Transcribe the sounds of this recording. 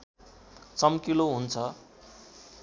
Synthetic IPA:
t͡sʌmkiloɦunt͡sʰʌ

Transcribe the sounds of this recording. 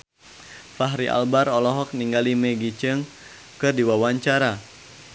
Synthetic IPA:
faɦɾiʔa̰lbaɾɔlɔɦɔk̚niŋɡalimeɡit͡ʃəŋ | kɨrdiwawaɲt͡ʃaɾa

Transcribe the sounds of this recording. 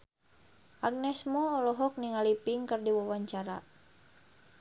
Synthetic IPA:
ʔaɡ̚nɛsmɔːlɔɦɔk̚niŋalipiŋkərdiwawaɲt͡ʃaɾa̰

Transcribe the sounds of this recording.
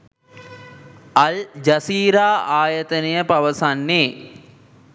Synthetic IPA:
ɐld͡ʒɐsiːɾaːaːjət̪ənejəpaʋəsanːeː

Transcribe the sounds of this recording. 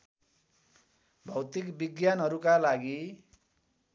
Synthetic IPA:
bʱʌwt̪ikbiɡjanɦʌɾukalaɡi

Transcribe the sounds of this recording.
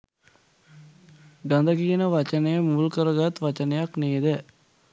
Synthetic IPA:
ɡand̪əɡijənəʋat͡ʃənəjəmuːlkəɾəɡat̪ʋat͡ʃənəjakneːd̪ɛ

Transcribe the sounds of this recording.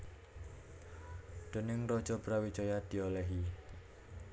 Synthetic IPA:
d̪̥ə̤nɪŋrɔ̥d͡ʒɔbɾawi̥t͡ʃɔjad̪̥i̤olɛɦi

